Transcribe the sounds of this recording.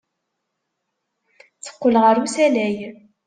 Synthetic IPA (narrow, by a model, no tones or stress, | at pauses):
t͡sə̥qːəlʁəɾusælæj